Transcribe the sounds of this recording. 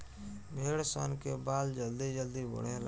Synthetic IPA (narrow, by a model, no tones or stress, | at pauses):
bʱeːɽso̰ːnkebaːld͡ʒəld̪id͡ʒəld̪ibʊ̰ɽ̤ẽl